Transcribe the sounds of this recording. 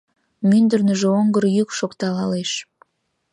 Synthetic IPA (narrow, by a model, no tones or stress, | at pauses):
mynd̪ərnəʒeoŋɡəɾjykʃokt̪ɑlɑleʃ